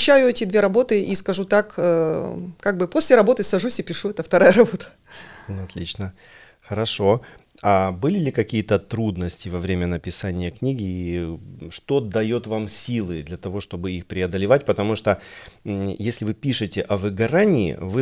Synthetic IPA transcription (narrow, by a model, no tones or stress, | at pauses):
ɕːæjʊɛtʲɪd̪vʲe̞ɾɐbo̞t̪ɨiskɐʐut̪akəkaɡ̚bɨpo̞sʲlʲɪɾɐbo̞t̪ɨsɐʐusʲɪpʲɪʂuɛt̪əft̪ɐɾajəɾɐbo̞t̪ə̥ | ɐt̪lʲit͡ɕnə | xəɾɐʂo̞ | abɨlʲɪlʲɪkɐkʲijət̪ət̪ɾud̪nəsʲtʲɪvɐvɾʲemʲənəpʲɪsanʲɪjəknʲiɡʲɪ | ʂt̪o̞d̪ɐjot̪vamsʲilˠɨd̪lʲɐt̪ɐvo̞ʂt̪o̞bɨixpɾʲɪɐd̪əlʲɪvatʲpət̪ɐmuʂt̪o | jesʲlʲɪvɨpʲiʂɨtʲɪʔɐvɨɡɐɾanʲɪ̰ːvɨ